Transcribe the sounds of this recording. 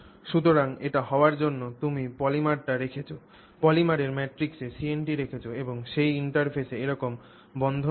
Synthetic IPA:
ʃut̪̬oɾaŋeʈaɦɔoaɾd͡ʑonːot̪umipɔlimaɾʈaɾekʰet͡ɕʰo | pɔlimaɾeɾmɛʈɾiksesienʈiɾekʰet͡ɕʰoeboŋʃejiɳʈaɾpʰeseeɾɔkom | bɔnd̪ʱo

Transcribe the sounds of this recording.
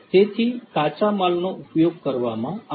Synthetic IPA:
t̪et̪ʰit̪at͡ʃamalnoʔupjoɡ̚kəɾʋamãa

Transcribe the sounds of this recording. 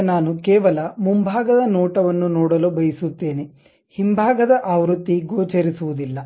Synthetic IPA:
naːnukɛːʋɐlɐmumbʱaːɡɐd̪ɐnɔːʈɐʋɐnːunɔːɽɐlobɐjisut̪ːe̞ːne | himbʱaːɡɐd̪ɐʔaːʋɾut̪ːiɡoːt͡ʃeɾisuʋud̪ilːɐ

